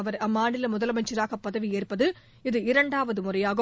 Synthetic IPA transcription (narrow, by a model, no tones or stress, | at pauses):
ɐʋɐɾɐmːaːɳɪlɐmʊðɐlɐmɐnt͡ʃɪɾaːɣɐpːɐðɐʋieːrpɐðɯ | ɪðɯɪɾɐɳɖaːʋɐðɯmʊrɐjaːɣɐ